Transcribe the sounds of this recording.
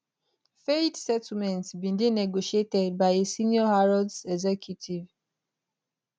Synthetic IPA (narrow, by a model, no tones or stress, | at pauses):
fedsɛtl̩mɛ̃ntsbĩndenɛɡoʃietɛd̚baɪesinjɔhaɹɔdsɛɡzɛkʰjutʰiv